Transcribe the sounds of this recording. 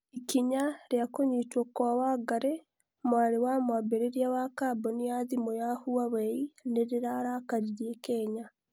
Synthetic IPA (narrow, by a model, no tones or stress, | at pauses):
ikiɲaɾjakoɲitwokwawaɡaɾe | mwaːɾewamwabeɾeɾijawakabonijaðimojahuaβeineɾiɾaɾaːkaɾiɾjekeːɲa